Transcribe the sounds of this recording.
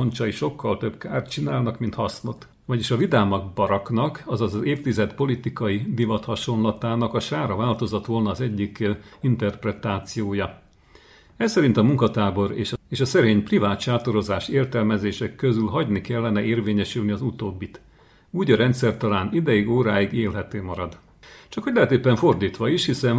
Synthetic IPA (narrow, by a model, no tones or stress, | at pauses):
ont͡ʃɒiʃo̞kːɒlt̪ø̞bkaːrt̪t͡ʃinaːlnɒkmint̪hɒsno̞t̪ | vɒɟiʃɒvid̪aːmɒɡ̚bɒɾɒknɒkɒzɒzɒzeːft̪izɛt̪po̞lit̪ikɒjid̪ivɒt̪hɒʃo̞nlɒt̪aːnɒkɒʃaːɾɒvaːlt̪o̞zot̪ʋo̞lnɒːzɛɟːikint̪ɛrprɛt̪aːt̪sijoːjɒ | ɛssɛɾint̪ɒmuŋkɒt̪aːbo̞ɾeːʃɒeːʃɒsɛɾeːɲprivaːt̪ʃaːt̪o̞ɾo̞zaːʃeːrt̪ɛlmɛzeːʃɛkːøzylɦɒɟnikɛlːɛnɛeːrveːɲɛʃylniɒzut̪oːbːit̪ | uːɟɒɾɛnt̪sɛrt̪ɒlaːnid̪ɛjiɡoːɾaːjiɡeːlɦɛt̪øːmɒɾɒd̪ | t͡ʃɒkhoɟlɛɦɛt̪eːpːɛɱfo̞rd̪iːt̪ʋɒiʃhisɛn